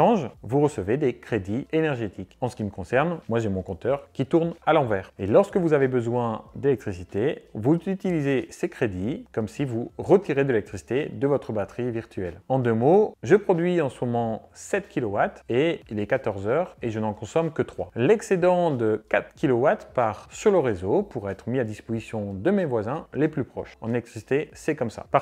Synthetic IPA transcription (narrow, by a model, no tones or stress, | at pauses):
ʃɑ̃ʒvuʁəsəved̪ekχed̪ienɛʁʒet̪ikɑ̃sə̥kʲiməkɔ̃sɛʁnmwaʒemɔ̃kɔ̃t̪œʁkʲit̪uʁnalɑ̃vɛːʁelɔʁsə̥kəvuzavebəzwɛ̃d̪elɛk̚t̪χisit̪evuzyt̪ilizesekχed̪ikɔmsivuʁət̪iʁed̪əelɛk̚t̪χisi̥t̪ed̪əvɔt̪χəbat̪χiviʁt̪ɥɛlɑ̃d̪ømoʒəpχɔd̪ɥiɑ̃səmɔmɑ̃sɛt̪kʲilɔwat̪eilɛkat̪ɔʁzœːʁeʒənɑ̃kɔ̃sɔmkət̪χwalɛksed̪ɑ̃d̪əkat̪χkʲilɔwat̪paʁsyʁləʁezopuʁɛt̪χəmiad̪ispozisjɔ̃d̪əmevwazɛ̃leplypχɔ̰ʃɑ̃nelɛk̚t̪χisi̥t̪esɛkɔmsa̰pa